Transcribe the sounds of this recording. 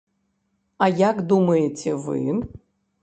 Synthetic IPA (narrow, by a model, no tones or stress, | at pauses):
ajakd̪umɨjetʰevɨ̰n